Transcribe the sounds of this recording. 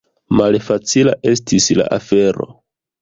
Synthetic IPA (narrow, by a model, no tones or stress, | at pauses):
malfat͡silaʔe̞s̬tisla̰ʔafe̞ɾo̞̰